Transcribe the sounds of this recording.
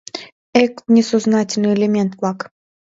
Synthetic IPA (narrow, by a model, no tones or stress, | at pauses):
ɛknʲɛsoznatʲɪlʲnɨelʲemʲent̪plˠɑk